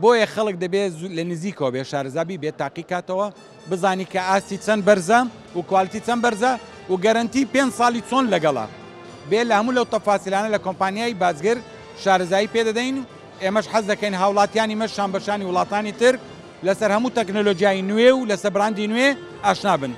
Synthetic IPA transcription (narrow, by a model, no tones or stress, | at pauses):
bojɐxɐlˠɨk̚d̪ɐbelɐnɨziːkɐwɐbeʃaːɾɐzaːbiːbet̪aːqikaːt̪ɐwɐ | bɨzaːniːkɐaːst̪it͡sɐnbɐɾzɐ | wukwaːlɨt̪it͡sɐnbɐɾzɐ | wɡɐɾɐnt̪iːpend͡ʒsˤɑːlˠit͡soːnlɐɡɐlˠɐ̰ | belɐhɐmuːlɐwt̪ɐfaːsilaːnɐlɐkompaːnjaːjbaːzɡɨɾ | ʃaːɾɐzaːjiːped̪ɐd̪ɐjn | ʔeːmɐʃħɐzd̪ɐkɐjnɦaːwlˠaːt̪jaːnimɐʃʃaːmbɐʃaːniwʊlˠɑːt̪aːnit̪ɨɾ | lɐsɐɾhɐmuːt̪ɛknolod͡ʒijaːjinwewlɐsɐbɾaːnd̪inwe | aːʃnaːbɨn